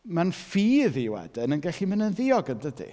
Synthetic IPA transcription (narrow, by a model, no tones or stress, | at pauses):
manfiːðiwɛ̰dɪnənɡɛɬimənənðɪɔɡəndədḭ